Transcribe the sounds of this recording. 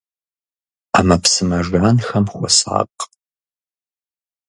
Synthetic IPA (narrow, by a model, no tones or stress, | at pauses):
amɐpsɨmɐʒaːnxɐmχʷɔ̰sa̰ːqʼ